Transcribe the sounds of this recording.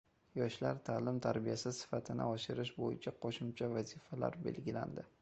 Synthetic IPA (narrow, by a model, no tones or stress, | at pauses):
jɒʃlaɾt̪ʰaːlɪmt̪ʰaɾbijasɪsɪ̥fat̪ʰɪnɪ̰ɒʃɪɾɪʃbojɪt͡ʃʰaqʰoʃʊmt͡ʃʰavazɪfala̰ɾbe̞̰lɡʲɪla̰nd̪ɪ